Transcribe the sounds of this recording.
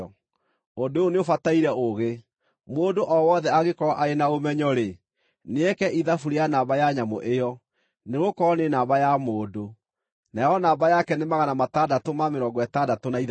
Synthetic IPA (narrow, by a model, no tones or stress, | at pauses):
ondooneofataiɾɛʔoɣe | moːdoʔɔwɔðɛaɣekɔɾaʔaenaomɛɲɔɾe | neɛkɛʔiðafuɾeanabajaɲamo̰ʔejɔ | neɣokɔɔnenaːbajamoːdo | najɔnaːbajakɛnemaɣanamatadatomameɾɔːŋɡɔɛtadatonaið